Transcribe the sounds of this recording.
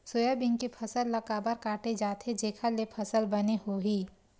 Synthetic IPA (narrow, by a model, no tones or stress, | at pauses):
soːjabɪŋkipʰɐsəlːɐkaːbəɾkaːʈed͡ʒaːt̪ʰed͡ʒeːkʰalepʰɐsəlbɐneɦoːɦiː